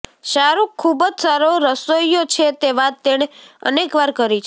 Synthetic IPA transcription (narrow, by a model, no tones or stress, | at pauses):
ʃaɾukʰːubəd͡ʒsaɾoɾəsoijot͡ʃʰet̪eʋat̪ːeɽ̃eə̰nekʋaɾkəɾit͡ʃʰ